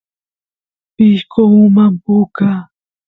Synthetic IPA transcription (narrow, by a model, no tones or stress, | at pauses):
pɪʃkoumampʊka